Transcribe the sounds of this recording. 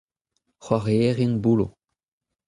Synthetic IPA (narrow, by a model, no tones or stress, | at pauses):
χwaʁeeʁiŋbulo̰